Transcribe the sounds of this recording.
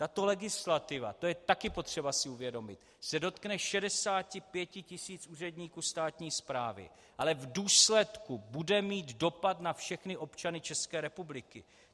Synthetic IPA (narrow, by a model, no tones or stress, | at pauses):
t̪at̪o̞lɛɡɪslat̪ɪva̰t̪o̞jɛt̪akɪpo̞t̪r̝̥ɛbasɪuvjɛdomɪt̪ | sɛdo̞t̪knɛʃɛdɛsaːcɪpjɛcɪcɪsiːt͡sʔuːrɛdɲiːkuːst̪aːt̪ɲiːspɾaːvɪ̰ | ʔalɛvduːslɛt̪kubudɛmiːt̪do̞pat̪nafʃɛxnɪʔo̞pt͡ʃanɪt͡ʃɛskɛːɾɛpublɪkɪ̰